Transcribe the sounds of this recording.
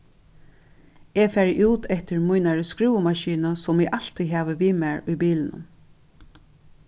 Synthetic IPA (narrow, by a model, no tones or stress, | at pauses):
ɛfɛːɾʔuːt̪ʰɛht̪ɪɹmʊjnaɹəskɹuːwəmaʃiːnəsɔmɛɡʔal̥t̪ʰiɦɛːʋəʋiːmɛɹʊjbiːlɪnʊ̰m